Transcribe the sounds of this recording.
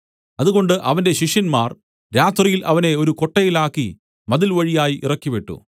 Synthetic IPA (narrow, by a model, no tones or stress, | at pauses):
ɐðuɣo̞ɳɖɨʔɐʋɐnde̞ɕiʂjɐnmaːr | ɾaːt̪rijilʔɐʋɐne̞o̞ɾuko̞ʈːɐjilaːkːi | mɐðilʋɐɻijaːjiʔirɐkːipeʈːṵ